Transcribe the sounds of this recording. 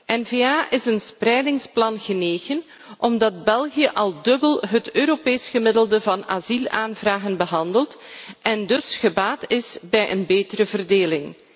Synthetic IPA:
ɛnveːaːʔɪsənsprɛjdɪŋsplɑnɣəneːɣən | ʔɔmdɑtbɛlˠɣijəʔɑlˠdɵbəlˠɦətøːɾopeːsɣəmɪdəlˠdəvɑna̰zilˠaːnvraːɣənbəɦɑndəlˠtʔɛndɵsxəbaːtɪsbɛjʔənbeːtəɾəvərdeːlɪŋ

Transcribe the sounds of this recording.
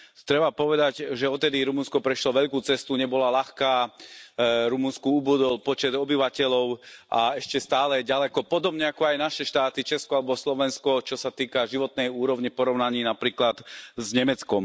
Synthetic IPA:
t̪ɾɛbapɔʋɛd̪aɟʒɛɔt̪t̪ːɛd̪iɾumunskɔpɾɛʃlɔʋɛʎkuːt͡sɛst̪uɲɛbɔlalaxkaː | ɾumunskuubud̪ɔlpɔt͡ʃɛd̪ɔbiʋacɛʎɔʊʔaɛʃcɛst̪aːlɛɟalɛkɔpɔd̪ɔbɲɛakɔajnaʃɛʃt̪aːt̪it͡ʃɛskɔalɛbɔslɔʋɛnskɔt͡ʃɔsat̪iːkaʒiʋɔt̪nɛjuːɾɔʊɲipɔɾɔʊnaɲiːnapɾiːklat̪zɲɛmɛt͡skɔm

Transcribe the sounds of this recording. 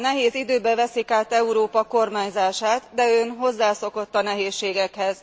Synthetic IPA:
nɛɦeːzid̪øːbɛvɛsikaːt̪ɛuɾoːpɒko̞rmaːɲzaːʃaːt̪d̪ɛøːnɦo̞zːaːso̞ko̞t̪ːɒnɛɦeːʃːeːɡɛkhɛz̥

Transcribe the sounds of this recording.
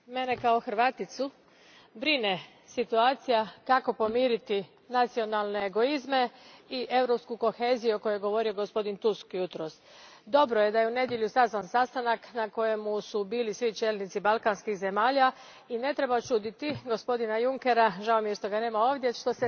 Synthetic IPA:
me̞ne̞kao̞xɾ̩ʋaːt̪it̪su | bɾine̞ | sit̪uaːt̪sijakako̞po̞miːɾit̪i | nat̪sio̞nalˠne̞ːɡo̞izme̞iʔe̞wɾo̞pskuko̞xe̞ːzijuko̞jojeɡo̞ʋo̞ɾio̞ɡo̞spo̞d̪int̪uskjut̪ɾos | d̪o̞bɾoje̞d̪aje̞une̞d̪je̞ʎusazʋansast̪anaknako̞je̞musubiːlisʋit͡ʃelnit̪sibalˠkanskixze̞maːʎa | ine̞t̪ɾe̞bat͡ʃud̪it̪iɡo̞spo̞d̪inajuŋke̞ɾaʒaomijeʃt̪o̞ɡane̞ːmao̞ʋd̪je̞ʃt̪o̞se

